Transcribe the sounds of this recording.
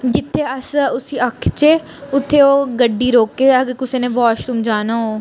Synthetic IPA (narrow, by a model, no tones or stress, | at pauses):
d͡ʒɪt̪ʰːeːəsʊsiːəkʰt͡ʃeː | ʊt̪ʰːeːoːɡəɖːiːɾoːkːeːəɡkʊseːnẽːʋaːʃɾuːmd͡ʒaːnaːoː